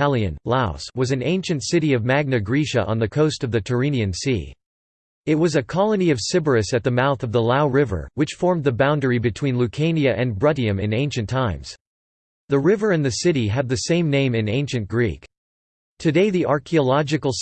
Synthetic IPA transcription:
ælˠiɨ̰̃nlaʊ̰swʌzɨ̃n̩ẽɪ̃nʃɨ̃ntsɪɾiʌvmæɡ̚nɨɡɹiʃɨ̰ʔə̰̃nðɨkʰoʊstʌvðɨtʰə˞ĩniɨ̃nsḭ | ɨt̚wʌzɨkʰɑlˠəniʌv̥sɪbə˞ɨsɨt̪̚ðɨmaʊθʌvðəlaʊɹɪvə̰˞wɨt͡ʃfɔɹmðɨbãʊ̃ndə˞ibɨtʰw̥ĩnlʉkʰẽɪ̃niɨʔɨ̃nbɹʌɾiɨ̃mɨ̰̃nẽɪ̃nʃɨ̃n̩tʰãɪ̃mz̥ | ðɨɹɪvə˞ɨ̃nðɨsɪɾiɨd̪̚ðɨsẽɪ̃mnẽɪ̃mɨ̃nẽɪ̃nʃɨ̃nɡ̥ɹḭk | tʰɨdeɪðiʔɑɹkʰiəlɑd͡ʒɨkl̩ˠ

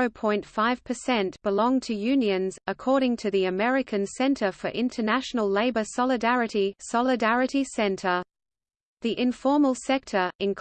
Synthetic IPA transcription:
əʊpʰɔ̃ɪ̃ntfaɪv̥pʰəsɛ̃ntb̥ɪlɔ̃ŋtʰɨjʉ̃njə̃nzəkʰɔːɾɪ̃ŋtʰɨðiəmɛɹɪkʰə̃nsɛ̃ntʰəfəɹʔɪ̃ntʰənæʃənəlˠleɪbəsɑlˠɪdæɹɨɾisɑlɪdæɹɨɾisɛ̃ntʰə | ðiʔɪ̃ɱfɔːməlˠsɛk̚tʰə˞ɪ̃nkʰ

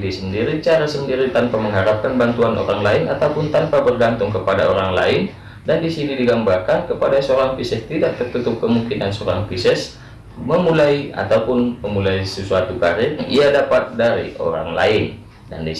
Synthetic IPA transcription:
disəndiɾit͡ʃaɾasəndiɾit̪anpaməŋɦaɾap̚kanbant̪uanʔo̰ɾaŋlaɪna̰t̪aupʊnt̪anpabərɡant̪ʊŋkəpadaoɾaŋla̰ɪn | dandisididiɡambarkankəpadasəoɾaŋpisɛst̪idaʔ̚t̪ərt̪ut̪ʊp̚kəmuŋkinansoɾa̰ŋpisɛs | məmulaia̰t̪aupʊnməmulaisəsuat̪ukaɾɪiadapat̪̚daɾḭo̰ɾa̰ŋla̰ɪn | da̰ndi

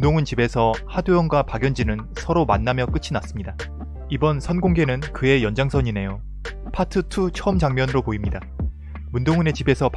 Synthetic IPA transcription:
ndoŋɯnt͡ɕibe̞sʰʌhaduʌnɡwapaɡjʌnd͡ʑinɯn | sʰʌɾomanːamjʌk͈ɯt͡ɕʰinas͈ɯmɲida | ibʌnsʰʌnɡoŋɡe̞nɯnkɯe̞jʌnd͡ʑaŋsʰʌɲine̞jo | pʰatʰɯtʰut͡ɕʰʌɯmd͡ʑaŋmjʌnɯɾopoimɲida | mundoŋɯne̞t͡ɕibe̞sʰʌp

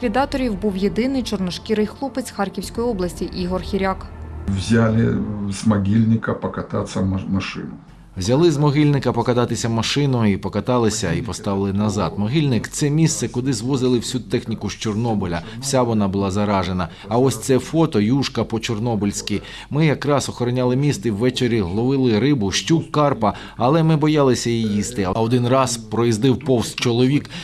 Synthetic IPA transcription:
kʋʲid̪ɑt̪ɔɾʲiwbuwjed̪ɪnɪjt͡ʃɔrnɔʃkʲiɾɪjxlˠupɪt͡s̪ʲxɑrkʲiwsʲkɔjiɔblˠɐsʲtʲiʔiɦɔrxʲiɾʲakwzʲalʲɪ̰zmɐɡʲilʲnʲɪkɐpɐkɐt̪at̪sɐmɐʂɪ̰nʊ | wzʲɐlˠɪzmɔɦilʲnɪkɐpɔkɐt̪ɑt̪ɪsʲɐmɐʃɪnʊipɔkɐt̪ɑlˠɪsʲɐipɔst̪ɑʋɪlˠɪnɐzɑd̪mɔɦilʲnɪkt̪sɛmʲist̪sɛkʊd̪ɪzʋɔzɪlˠɪwsʲut̪ɛxnʲikʊʃt͡ʃɔrnɔbɔlʲɐwsʲaʋɔnɑbʊlˠɑzɐɾɑʒe̞nɐ | ɐɔsʲt̪sɛfɔt̪ɔjuʃkɐpɔt͡ʃɔrnɔbɪlʲsʲkʲi | mɪjɐkɾɑsɔxɔɾɔnʲalˠɪmʲist̪iwːɛt͡ʃeɾʲːiɦlˠɔʋɪlˠɪɾɪbʊʃtʲukːɑrpɐ | ɐlˠɛmɪbɔjɑlˠɪsʲɐjijist̪ɪɔd̪ɪnrɑspɾɔjizd̪ɪwpɔwst̪̚t͡ʃɔlˠɔʋʲik

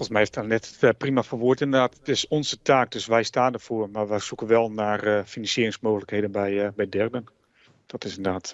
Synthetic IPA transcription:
fɔlˠsmɛjheftanɛttprimafərʋuətɪndədaːtdɪsɔnzətʰaːk̚døsʋɛjstaːndərfoərmaɹʋɛsukənʋɛlˠnaːrfinɑnsjiərɪŋsmoːɣələkhejdənbɛjbɛjdɛrdən | d̥ɔtɪsɪndədaːt

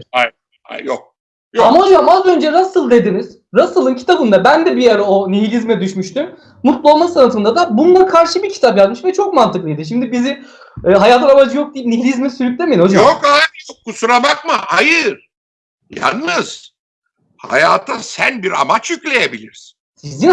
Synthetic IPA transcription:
aj | a̰jok̚ | jamaɦo̞d͡ʒaβamazø̞nd͡ʒɛɾasɯlˠd̪e̞d̪iniz̥ | ɾasɯlˠɯncʰi̥t̪ʰabɯnd̪abænd̪ɛbijaɾaoniɦilʲizmɛd̪yʃmyʃt̪ym | mut̪lˠuo̞lˠmasanat̪ʰɯnd̪ad̪abund̪akʰaɾʃɯbiɾcʰi̥t̪ʰapjazmɯʃvɛt͡ʃʰo̞k̚mant̪ʰɯklˠɯjd̪ɯʃ̬imd̪ibiziː | ɦajaːt̪ʰɯnamad͡ʒɯjo̞k̚d̪ijipniɦilʲizmɛsyɾyc̚ʲlʲemejino̞d͡ʒaokajjokːusuɾamakmɯhajɯɾ | ja̰nːɯz̥ | ha̰jaːt̪ʰasæ̰nbiɾa̰mat͡ʃjyclʲe̞jebilʲiɾsinsizin

